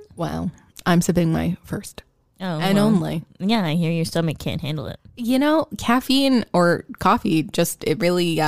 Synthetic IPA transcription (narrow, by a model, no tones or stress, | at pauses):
wɛ̰lˠ | ʔãɪ̃msɪpɪ̃ŋma̰ɪfɜ˞st | oʊɨ̃nõʊ̃nlḭjæaɪhiɹjə˞stʌmɨkʰæ̰̃nʔ̚hæ̰̃ndˡl̩ˠɪ̰t̚jɨnoʊkʰæfĩnə˞kʰɔfid͡ʒʌstɪt̚ɹɪlˠi